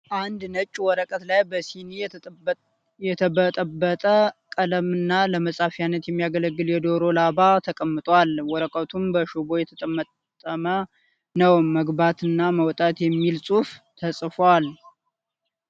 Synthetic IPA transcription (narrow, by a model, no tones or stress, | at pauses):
ʔand̪nət͡ʃʼːwɔɾəkʼət̪lajbəsini | jɛt̪ʰəbət̪ʼəbːət̪ʼəkʼələmɨnːaləməsʼafijanːət̪jɛmːijaɡələɡːɨljɛd̪oɾo̞labat̪ʰəkʼəmːɨt̪ʼwalwɔɾəkʼət̪ʰumbəʃubo̞jɛt̪ʰət̪ʼəmːət̪ʼːəmə | nəwmːəɡbat̪ɨnːaməwt̪ʼat̪jɛmːilsʼuft̪ʰəsʼfwal